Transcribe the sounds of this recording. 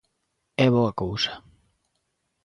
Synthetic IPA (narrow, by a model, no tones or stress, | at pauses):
ɛβoɐkowsḁ